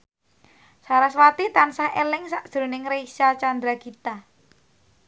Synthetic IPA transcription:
saɾaswat̪it̪ansahelɪŋsaʔd̥ɾo̤nɪŋɾeisat͡ʃand̪ɾakit̪a

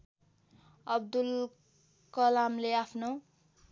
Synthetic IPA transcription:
ʌb̚d̪ul | kʌlamleapʰno

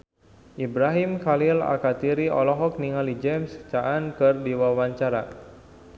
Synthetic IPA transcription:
ʔibɾaɦimkalila̰kat̪iɾiɔ̰lɔɦɔk̚niŋalid͡ʒɛmst͡ʃaʔankɨrdiwawaɲt͡ʃaɾa

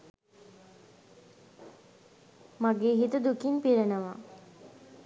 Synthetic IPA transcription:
maɡeːɦit̪əd̪ukimpiɾənəʋa̰

